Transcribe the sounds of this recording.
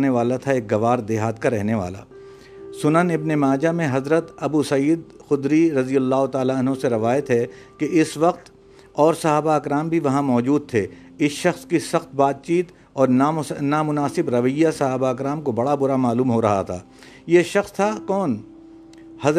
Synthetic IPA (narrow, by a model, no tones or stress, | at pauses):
neʋaːlat̪ʰaeːk̚ɡɐʋaːɾd̪eːɦaːt̪̚kaɾɛɦneʋa̰ːla̰ː | sʊnənɪbnemaːd͡ʒamẽɦɐzɾət̪ɐbusɐiːd̪xʊd̪ɾiɾɐzijɐlːaːɦot̪aːlaɐnɦõseɾɐʋaːjət̪ɦɛ | keɪsʋɐqt̪ | ɔːɾsɐɦaːbaɪkɾaːmbʱiʋɐɦãmɔːd͡ʒuːd̪̚t̪ʰeː | ɪsʃɐxskisɐxt̪̚baːt̪̚t͡ʃiːt̪ | ɔːɾnaːmʊnaːsɪbɾɐʋəjːasɐɦaːbaɪkɾaːmkobɐɽabʊɾamaːluːmɦoɾɐɦa̰t̪ʰa̰ː | jeʃɐxst̪ʰakɔːn | hɐ